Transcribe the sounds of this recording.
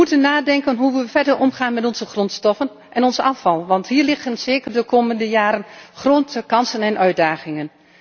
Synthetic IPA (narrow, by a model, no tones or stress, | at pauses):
əutənːaːdɛŋkənɦuʋəʋəfɛɹdəɹɔmχaːnmɛtɔnzəχrɔntstɔfən | ʔɛnɔnzəɑfɑlˠʋɑntɦiːɹlɪχənzeːkərdəkoːməndəjaːɾənχroːntəkɑnsənɛnʔœɥ̚daːχɪŋən